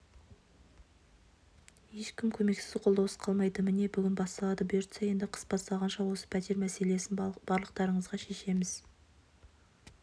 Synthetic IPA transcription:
je̞ʃkʲɪmkʲʰɵme̞ksɪ̥zqʰold̪ɑwə̥sqʰɑlˠmɑjd̪əmɪne̞bʏɡʲɪnbɑst̪ɑlˠɑd̪əbeɾt̪seje̞nd̪ɪqʰə̥sbɑst̪ɑʁɑnʃɑwo̞sə̥pʰæt̪e̞ɾmæse̞le̞sɪnb̥ɑɾlˠəq̚t̪ɑɾəɴəzʁɑʃe̞ʃe̞mɪz̥

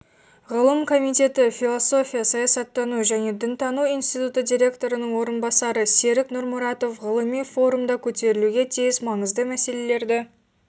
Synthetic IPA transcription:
ʁəlˠəmkʰo̞mijt̪e̞t̪ɪfilˠoso̞fʲijasɑjɑsɑt̪ːɑnuʒæne̞d̪ɪnt̪ʰɑnuijnst̪ijt̪ut̪əd̪ijɾʲe̞kt̪o̞ɾənəɴwo̞ɾənbɑsɑɾəse̞ɾɪknʊɾmʊɾɑt̪o̞fʁəlˠəmijfo̞ɾumd̪ɑkʲʰɵt̪e̞ɾɪluɡʲe̞t̪ʰijɪsmɑɴəzd̪əmæse̞le̞le̞ɾd̪ɪ

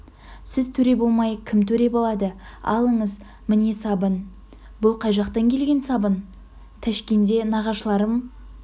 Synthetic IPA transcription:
sɪzt̪ʰɵɾe̞bo̞lˠmɑjkʲʰɪmt̪ʰɵɾe̞bolˠɑd̪əɑ̰lˠəɴəz | mɪne̞sɑbən | bʊlˠqʰɑjʒɑqt̪ɑŋkʲʰe̞lɡʲe̞nsɑbən | t̪ʰæʃkʲend̪e̞nɑʁɑʃlˠɑɾəm

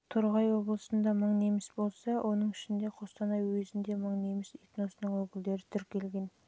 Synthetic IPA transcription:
t̪ʰʊɾʁɑjwo̞blˠəsənd̪ɑməɴne̞mɪsbo̞lˠsɑwʔo̞nəɴɪʃɪnd̪e̞qʰo̞st̪ɑnɑjwɵzɪnd̪e̞məɴne̞mɪsit̪no̞sənəɴwɵkʲɪld̪e̞ɾɪt̪ʰʏɾkʲʰːe̞lɡʲe̞n

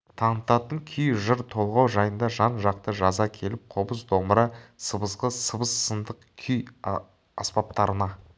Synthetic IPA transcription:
t̪ʰɑɴət̪ɑt̪əŋkʲʰʏjʒəɾt̪ʰo̞lˠʁɑwʒɑjənd̪ɑʒɑnʒɑq̚t̪əʒɑzɑkʲʰe̞lɪp̚qʰobəsd̪oməɾɑsəbəsqəsəbəsːənd̪əqkʲʰʏj | ɑspɑp̚t̪ɑɾənɑ

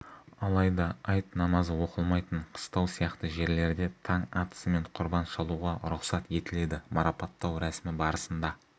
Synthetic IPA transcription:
ɑlˠɑjd̪ɑɑjt̪nɑmɑzəwo̞qəlˠmɑjt̪əɴqʰə̥st̪ɑwsijɑqt̪əʒe̞ɾle̞ɾd̪e̞t̪ʰɑɴɑt̪ə̥səme̞ɴqʰʊɾbɑnʃɑlˠuʁɑɾʊqsɑt̪e̞t̪ɪle̞d̪ɪmɑɾɑpɑt̪ːɑwɾæsmɪbɑɾəsənd̪ɑ

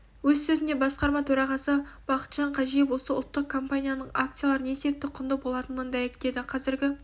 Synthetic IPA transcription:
wɵzsɵzɪne̞bɑsqɑɾmɑt̪ʰɵɾɑʁɑsəb̥ɑqə̥t̪ʒ̥ɑɴqʰɑʒijɪpwo̞səʊlˠt̪ːəq̚kʰo̞mpanʲijanəɴak̚t̪sɨjalˠɑɾənesebep̚t̪ɪqʰʊnd̪əbo̞lˠɑt̪ənənd̪æjekd̪e̞d̪ɪqʰɑzɪɾɡʲɪ

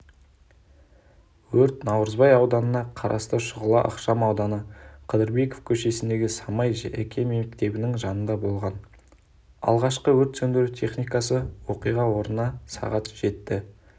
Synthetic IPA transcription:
wɵɾt̪nɑwɾəzbɑjɑwd̪ɑnənɑqʰɑɾʔɑ̰st̪əʃʊʁəlˠɑʔɑ̰qʃɑmɑwd̪ɑnəqʰəd̪əɾbe̞ko̥fkʲʰɵʃe̞sɪnd̪e̞ɡʲɪsɑmɑjækʲʰe̞memkt̪e̞bɪnɪŋʒɑnənd̪ɑbo̞lˠʁɑn | ɑ̰lˠʁɑʃqəwɵɾt̪sɵnd̪eɾut̪ʰe̞χnijkɑsəwo̞qijʁɑwo̞ɾənɑsɑ̰ʁɑt̪ʒ̥e̞t̪ːɪ

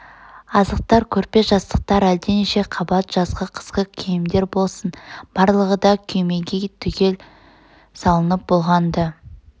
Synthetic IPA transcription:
ɑzəq̚t̪ɑɾkʲʰɵɾpe̞ʒɑst̪ə̥q̚t̪ɑɾæld̪eneʃe̞qʰɑbɑt̪ʒ̥ɑzʁəqʰə̥sqəkʲʰejɪmd̪e̞ɾbo̞lˠsənb̥ɑɾlˠəʁəd̪ɑkʲʰɵjme̞ɡʲet̪ʰʏkʲe̞l | sɑlˠənəp̚bo̞lˠʁɑnd̪ə

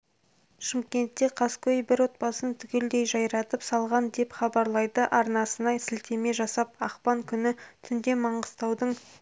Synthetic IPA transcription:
ʃɪmkʲe̞nt̪ːe̞qʰɑskʲʰɵjbɪɾwo̞t̪̚pɑsənt̪ʰʏkʲe̞ld̪e̞jʒɑjɾɑt̪əpsɑlˠʁɑnd̪e̞pχɑbɑɾlˠɑjd̪əʔɑɾnɑsənɑjsɪlt̪ʰe̞me̞ʒɑsɑp̚ɑqpɑŋkʲʰʏnɪt̪ʰʏnd̪e̞mɑɴəz̥t̪ɑwd̪əɴ

